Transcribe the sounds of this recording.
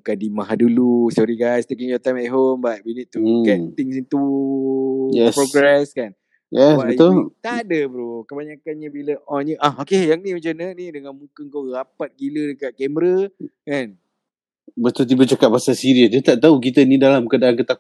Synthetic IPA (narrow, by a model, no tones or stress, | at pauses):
kadimaɦadulusɔɾiɡajst̪ekiŋjɔt̪ajmɛʔɦombat̚winiʔt̪ːuɡɛt̪t̪ɪŋsint̪u | jɛspɾoɡɾɛskan | jɛsabəjt̪ʊlt̪aʔdəbɾokəbaɲakanɲabiləʔɔnjuʔahokejaŋnĩmat͡ʃanənidəŋãnmukəŋkorapat̪̚ɡilədəkaʔ̚kɛməɾəkan | bət̪ʊlt̪ibət͡ʃakat̪̚pasasiɾiəsd͡ʒət̪aʔt̪auk̬it̪ənidalamkədakət̪ak